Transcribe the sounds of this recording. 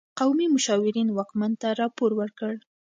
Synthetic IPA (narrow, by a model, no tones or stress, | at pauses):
qawmimʊʃɑwɪɾinwɑkmant̪aɾɑpoɾwəɾkəɽ